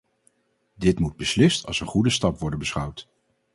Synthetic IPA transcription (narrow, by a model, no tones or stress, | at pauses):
dɪtmud̚bəslɪstɑ̰lˠsənχudəstɑpʋɔɹdənbəsχʌwt